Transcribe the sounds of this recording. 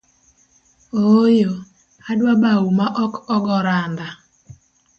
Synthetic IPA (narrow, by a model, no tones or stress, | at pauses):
ojo | adwabawumaʔɔkɔɡɔɾand̪a